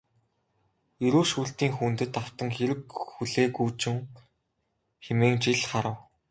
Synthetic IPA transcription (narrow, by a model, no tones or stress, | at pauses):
jɵɾoːʃuːɬt̪iːŋxunt̪ɘ̆t̪aw̥t̪ə̆ŋxeɾɘ̆kxuɮeːkuːt͡ɕɪ̆ŋ | xemeːŋt͡ɕiɮχaɾə̆w